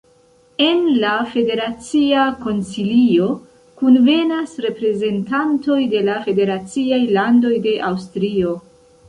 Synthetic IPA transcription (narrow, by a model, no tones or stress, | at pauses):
e̞nlafe̞de̞ɾat͡siako̞nsilio̞ | kunve̞nasɾe̞pɾe̞ze̞ntanto̞jde̞lafe̞de̞ɾat͡siajlando̞jde̞ʔawstɾio̞